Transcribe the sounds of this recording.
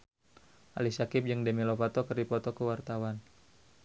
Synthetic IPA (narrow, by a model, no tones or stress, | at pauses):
ʔa̰lisakɪp̚d͡ʒɨŋdəmilopat̪ɔkərdipɔt̪ɔkəwart̪awan